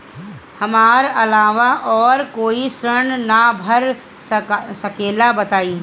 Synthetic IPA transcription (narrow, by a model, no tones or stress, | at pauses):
hɐmaːɾɐlaːʋaʔɔːɾkoːisɾəɳnabʱəɾ | sɐkeːlabɐt̪aːiː